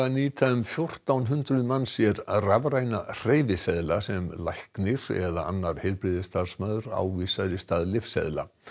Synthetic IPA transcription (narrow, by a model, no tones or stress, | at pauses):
aniːt̪ʰaʏmfjowr̥t̪awnɦʏnt̪ɾʏðmanːsjɛɾravɾaːjnar̥eːjvɪsɛðlasɛmlajhknɪɾɛ̰ða̰a̰nːaɾ̥hɛɾpɾɪðɪst̪aðsmaːðʏɾa̰wviːsaðɾɪst̪aðlɪfsɛ̰ðla̰